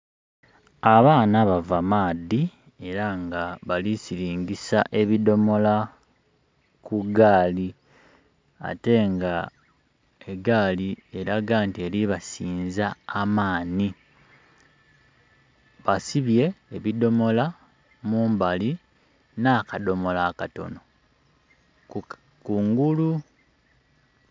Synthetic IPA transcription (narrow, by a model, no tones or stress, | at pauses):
aβaːnaβavamaːdːi | e̞ɾaŋɡaβalisiɾiːŋɡisaʔe̞βido̞mo̞la | kuɡaːli | a̰te̞ŋɡa | eɡaːlie̞ɾaɡaːntie̞liβasiːnzaːmaːni | βasiβje̞ːβido̞mo̞la | muːmbali | naːkado̞mo̞laːkato̞̰no̞ | kuŋɡulu